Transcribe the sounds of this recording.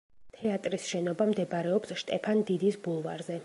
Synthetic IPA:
t̪ʰɛat̪ʼɾisʃɛnɔbamd̪ɛbɾɛɔpsʃt̪ʼɛpʰand̪id̪isbulˠvaɾzɛ

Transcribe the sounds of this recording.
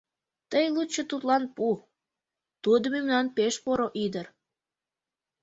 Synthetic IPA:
t̪əjlut͡ɕːət̪ut̪lɑnpu | t̪ud̪əmemnɑnpeʃpoɾoʔid̪ər

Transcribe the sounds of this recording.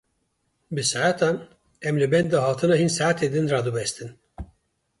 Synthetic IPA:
bɨsaʕat̪ʰɑn | ɛmlɨbɛnd̪ɑɦɑːt̪ʰɨnɑɦinsaʕat̪ʰed̪ɨnrɑd̪ɨbɛst̪ɨn

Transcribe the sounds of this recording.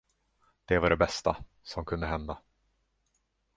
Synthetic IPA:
d̪̥ɛvaɖɛbɛst̪a | sɔmkʰɵnd̪əɦɛnd̪a

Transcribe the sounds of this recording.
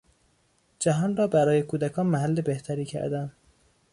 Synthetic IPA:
d͡ʒæɦɒːnrɒːbæɾɒːjekʰuːd̪ækʰɒːnmæɦælːebe̞ht̪ʰæɾiːcʰæ̰ɾd̪æn

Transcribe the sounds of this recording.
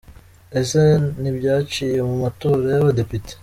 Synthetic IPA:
e̞se̞nibɟaːt͡ʃije̞mumato̞ːɾajaβade̞pite̥

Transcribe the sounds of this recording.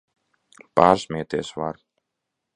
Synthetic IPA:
paːɾsʲmʲiɛt̪ʲeːsvaɾ

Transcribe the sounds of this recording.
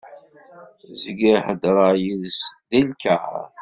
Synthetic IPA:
zəɡiħəd̪ɾˤɑjiðsðinka̰

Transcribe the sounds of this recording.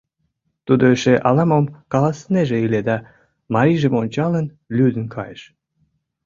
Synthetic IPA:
t̪ud̪oeʃeʔɑlɑmomkɑlɑsəneʒeiled̪ɑ | mɑɾiʒəmonʲt͡ɕɑlən | lʲyd̪ənkʰɑjəʃ

